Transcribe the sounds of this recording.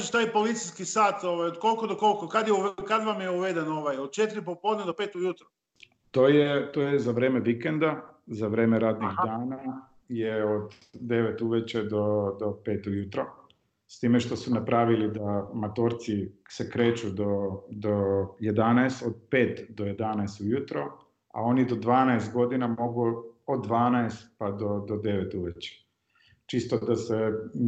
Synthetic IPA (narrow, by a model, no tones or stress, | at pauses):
eʃt̪aːjpo̞lit̪sijskisaːt̪oʋajod̪ko̞lˠkod̪oko̞lkokad̪jeukad̪ʋamjeuʋed̪eno̞ʋajod̪̚t͡ʃet̪iɾipopoːd̪nʲed̪o̞pet̪ujut̪ɾo | t̪oːjet̪oːjɛzaʋɾeːmeʋikend̪azaʋɾeːmeɾaːd̪niɣd̪aːna | jeod̪ | d̪e̞ʋet̪uʋet͡ʃed̪od̪ope̞ːt̪ujut̪ɾo | st̪iːmeʃt̪o̞sunapɾʔaʋilid̪amat̪oːɾt̪sisekɾeːt͡ɕud̪o̞d̪oje̞d̪anaest̪od̪̚pe̞ːt̪d̪o̞jed̪anaest̪ujut̪ɾo̞ | a̰o̞nid̪o̞d̪ʋaːnaest̪̚ɡo̞d̪inamo̞ɡuod̪ːʋaːnaest̪pad̪o̞d̪od̪e̞ʋet̪uʋet͡ɕe̥ | t͡ʃist̪od̪ase